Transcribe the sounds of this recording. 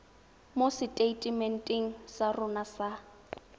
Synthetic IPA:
mosɪtʼeitʼimɛntʼiŋ̩sarʊnasa

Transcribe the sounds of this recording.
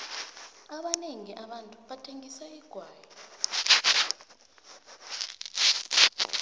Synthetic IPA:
aɓaneŋiʔaɓantʼuɓatʰeŋisaiɡ̥ʱwaːjɔ

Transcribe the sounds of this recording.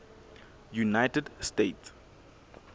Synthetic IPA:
junajtədstets

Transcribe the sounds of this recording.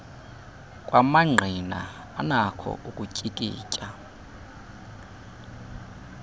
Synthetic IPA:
kʼwamaŋ͡ǃʱina̰ː | nakʰɔ̰ʔukʼucʼikʼḭːcʼa

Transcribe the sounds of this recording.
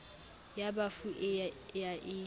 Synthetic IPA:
jabafuʔɪjaʔɪ

